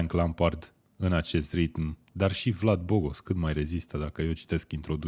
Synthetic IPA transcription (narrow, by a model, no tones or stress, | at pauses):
ŋklampard̪ | ɨnat͡ʃe̞st̪rit̪m | d̪arʃivlad̪̚bo̞ɡo̞skɨt̪majre̞zist̪əd̪akəje̞wt͡ʃi̥t̪e̞skint̪ɾo̞d̪u